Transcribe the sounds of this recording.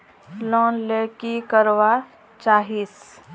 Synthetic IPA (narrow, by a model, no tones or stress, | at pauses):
lɔ̃ːnlekikəɾʋa | t͡ʃaːɦis